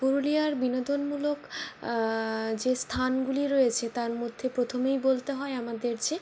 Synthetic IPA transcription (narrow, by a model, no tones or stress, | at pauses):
puɾuliaɾbinod̪ʱonmulok | d͡ʑest̪ʰanɡuliɾojet͡ɕʰet̪aɾmod̪ʱːepɾot̪ʰomejbolt̪eɦɔeamad̪eɾd͡ʑe